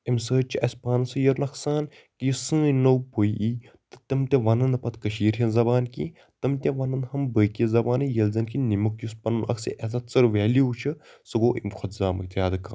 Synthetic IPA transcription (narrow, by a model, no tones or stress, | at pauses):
imsəːt͡ʃʰiʔɐsʲpaːnɨsɨjɐɾnɐksaːn | kijusɨ̃ːnowpoiʔiː | t̪ɨ̥t̪ɐmt̪ʲɐʋɐnɐnɐpɐt̪kɐʃiːɾɦʲɐnzɐbaːnkḭː | t̪ɨmt̪ʲɐ̃ʋɐnɐnhɐmbəːjkizɐbaːnɨjɐlzɐnkinimɨkjuspɐnɨnʔɐ̰ksḭʔɐzɐt̪sɐɾʋɛːliut͡ʃʰɨsɨɡoːʔḭmkʰɐt̪zaːmɐ̰k̚t̪ʰʲjaːd̪ɨka̰ː